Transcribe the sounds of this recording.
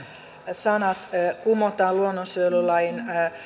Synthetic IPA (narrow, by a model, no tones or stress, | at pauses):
sɑnɑt̪kumot̪ɑːluonːonsølulɑin